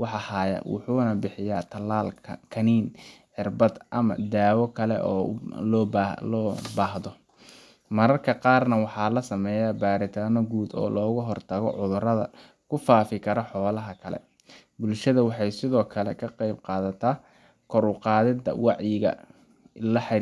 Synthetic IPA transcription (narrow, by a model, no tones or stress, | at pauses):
wɑħɑhaːjɐ̰wʊ̰ħuːnɐbɪħɪjaːt̪ʰɐlaːlʰkʰɐniːnħɪrbɐd̪ʔɐmɐ̰d̪aːwɔkʰɐlɛ̰ʔɔ̰ːlɔːblɔːbaːɦðɔ | mɐɾɐrkʰɐqɑːrnɐwɑħɑːlɐsɐmɛːjabaːɾɪt̪ʰaːnɔɡuːd̪ɔ̰ːlɔːɣʊɦɔrt̪ʰɐɣɔ̰ʕʊðʊɾɐðɐ̰ | kʰʊfaːfɪkʰɐɾɔħɔːlɐɦɐkʰɐlɛ̰ | bʊlʃɐðɐwɑħɑjsɪðɔːkʰɐlɛ̰kʰɐqɑjb̚qɑːðɐt̪ʰaː | kʰɔɾʊqɑːðɪd̪ɐ̰wɑʕjɪɣɐ̰ | lɐħ